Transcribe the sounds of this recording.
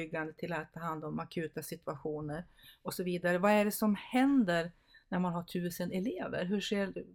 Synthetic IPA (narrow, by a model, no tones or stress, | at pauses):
ʏɡːand̪ət̪ʰɪlat̪ʰːɑːɦand̪ɔmakʰʉ̟ːt̪asɪt̪ɵaɧuːnəɾ | ɔsɔviːd̪aɾəvaæɖɛsɔmhɛnd̪əɾ | næɾmanɦaʈʰʉ̟ːsənɛleːvə̰ɾɦɵʂeːɾ